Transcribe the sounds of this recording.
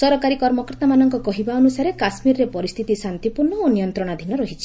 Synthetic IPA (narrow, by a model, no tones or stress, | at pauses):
sɔɾɔkaɾikɔɾmɔkɔɾt̪amanɔŋkɔkɔɦibaɔnusaɾekasmiɾɔɾepɔɾist̪ʰit̪isant̪ipuɾɳɔonijɔnt̪ɾɔɽ̃ad̪ʱinɔɾɔɦit͡ʃʰi̥